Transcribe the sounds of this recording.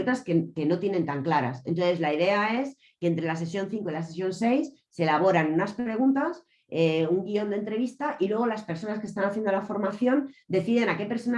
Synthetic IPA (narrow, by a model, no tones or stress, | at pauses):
t̪askeke̞no̞t̪je̞nent̪aŋklaɾa̰sent̪o̞nθe̞zlaið̞e̞ae̞s | ke̞ːnt̪ɾelas̬e̞sjo̞nθiŋko̞ilases̬jo̞nse̞jsːelaβ̞o̞ɾanunaspɾe̞ɣ̞unt̪as | euŋɡio̞nd̪e̞nt̪ɾe̞β̞ist̪aʔilwe̞ɣ̞o̞laspe̞ɾso̞naske̞st̪anaθje̞nd̪olafo̞ɾmaθjo̞nd̪e̞θiðenake̞pe̞ɾso̞na